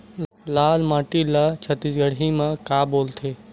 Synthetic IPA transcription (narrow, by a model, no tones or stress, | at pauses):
laːlmaːʈilat͡ʃʰət̪isɡəɽɦimãkaboːlt̪ʰeː